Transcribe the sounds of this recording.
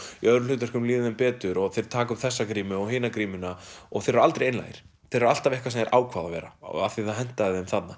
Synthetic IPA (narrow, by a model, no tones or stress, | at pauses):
iœðɾʏlʏːt̪aɾ̥kʏmliːðɪðɛmpɛːt̪ʏɾɔɣθejɾ̥t̪ʰaːkʏmθɛsːakɾiːmʏɔɣɦɪːnakɾiːmʏnaɔ̰ɣθejɾɛɾalt̪ɾejeːjnla̰jɪ̰ɾ̥ | θeɾɛɾal̥t̪avɛhkvasɛmɛɾʔa̰ːwkʰvaːðavɛːɾa̰aθiθaðɦɛn̥t̪aðɛmθat̪nːa